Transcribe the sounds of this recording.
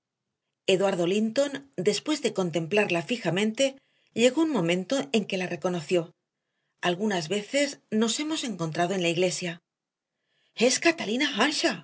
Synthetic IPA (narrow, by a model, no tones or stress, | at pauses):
e̞ðwaɾðo̞lint̪o̞nd̪e̞spwe̞zðe̞ko̞nt̪e̞mplaɾlafixamẽ̞nt̪e̞ | ʎe̞ɣo̞unmõ̞mẽnt̪o̞ʔe̞ŋke̞lare̞ko̞no̞θjo̞ | alɣunazβe̞θe̞zno̞se̞mo̞se̞ŋko̞nt̪ɾað̞oe̞nlaiɣle̞sja | e̞skat̪alinaxanʃa